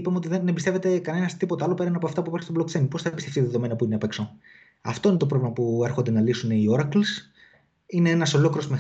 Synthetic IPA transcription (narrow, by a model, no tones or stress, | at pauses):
ipɐmo̞t̪iðenembist̪eve̞t̪e̞kɐne̞nɐst̪ipo̞t̪eɐlo̞pe̞ɾɐinɐpo̞ɐft̪ɐpuipɐɾçist̪oblokt͡semipoθɐpbist̪eftiðeðome̞nɐpuineɐpekso | ɐ̰ft̪oine̞t̪o̞p̬ɾovlimɐpue̞ɾxond̪e̞nɐlisuneio̞ɾɐkls | ine̞enɐso̞lo̞kɾiɾozme